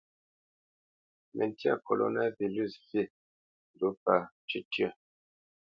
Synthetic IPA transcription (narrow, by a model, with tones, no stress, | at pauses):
mʔɛ˨n˨tja̰˦˨ko˨lo̰˨˦na˦vi˨ly˦˨ssi˦˨ | n˨du˨˦pa˨ | t͡ʃi˦tjɛ˦˨